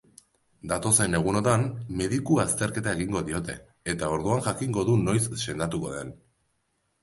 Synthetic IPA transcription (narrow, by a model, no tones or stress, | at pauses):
d̪at̪o̞se̞ne̞ɣ̞uno̞ðanme̞ðikuast̪e̞ɾke̞t̪ae̞ɣiŋɡo̞ðio̞t̪e̞̰ | et̪ao̞ɾðuaŋʝakiŋɡo̞ðuno̞jsʃe̞nd̪at̪uko̞̰ðe̞n